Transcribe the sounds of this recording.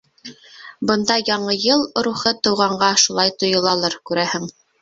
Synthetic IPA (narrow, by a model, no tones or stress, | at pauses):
bɤ̆nd̪ɑjɑɴɤjɤlˠɾuχɤt̪ŏwʁɑɴɢɑʃulˠɑjt̪ŏjɤ̆lˠɑlˠɤɾkʉɾæhɘŋ